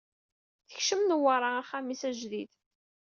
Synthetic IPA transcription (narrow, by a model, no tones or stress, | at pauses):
θə̥çʃəmnəwɑɾˤɑæχæmisæʒðid̪